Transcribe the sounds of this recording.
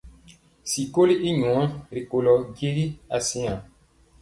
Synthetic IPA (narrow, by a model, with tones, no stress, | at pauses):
si˨ko˦li˦ʔi˦ɲɔ̃˨˦ã˦ɾi˨ko˨lɔ˨ɡe˦ɾi˦a˨sĩ˦ã˨